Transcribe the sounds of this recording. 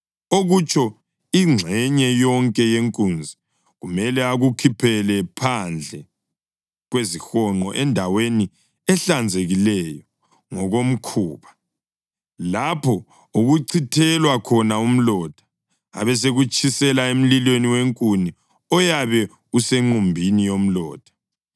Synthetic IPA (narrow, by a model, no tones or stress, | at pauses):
oɣut͡ʃʰʼɔ | iŋ͡ǀʱɛɲɛjɔŋkʼɛjeŋkʼund͡zʱi | ɣumɛlɛaɣukʰipʰɛlɛpʰand͡ɮʱɛ | ɣwezixɔŋ͡ǃɔʔɛndʱaweni | ɛɬand͡zʱeɣilɛjɔ | ŋɔɣom̩kʰuːβa | lapʰɔ | uɣuǀʰitʰɛlwakʰɔnaum̩lɔd̥ʱḁ | a̰βɛs̬eɣut͡ʃʼisɛlaem̩lilweniweŋkʼuni | ɔjaβɛ | useŋ͡ǃumbʱinijom̩lɔ̰ːd̥ʱḁ